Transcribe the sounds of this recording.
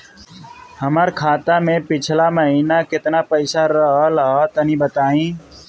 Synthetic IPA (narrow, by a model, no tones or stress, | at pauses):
həməɾkʰaːt̪amẽpɪt͡ʃʰlaməɦinakɪt̪napəɪsaɾəɦəlɦət̪ənibət̪aːĩ